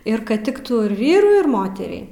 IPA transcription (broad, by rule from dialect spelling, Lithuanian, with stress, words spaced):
ɪr ˈkɐt ˈtʲɪktuː ɪr ˈʋʲiːrʊɪ ɪr ˈmoːtʲɛrʲɛɪ